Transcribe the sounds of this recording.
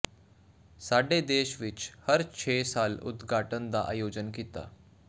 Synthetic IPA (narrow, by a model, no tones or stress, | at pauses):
saɖed̪eʃʋit͡ɕhəɾt͡ɕʰesaːlʊ̰d̪ɡʱaʈənd̪aʔa̰jod͡ʑənkit̪a̰